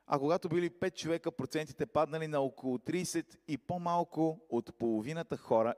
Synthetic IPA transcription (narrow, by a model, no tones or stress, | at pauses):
ɐ̰koɡat̪obilipɛt̪̚t͡ʃovɛkəpɾot̪sɛnt̪i̥t̪ɛpad̪nɐlinɐokolˠot̪ɾiːsɛt̪ipomalˠkʊot̪polˠovinət̪əxɔɾə